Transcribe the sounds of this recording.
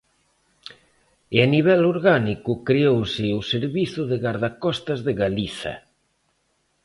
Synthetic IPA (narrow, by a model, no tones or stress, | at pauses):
eaniβ̞ɛloɾɣanikʊkɾeowsɪuseɾβiθʊðeɣaɾðakɔst̪azðeɣaliθɐ̰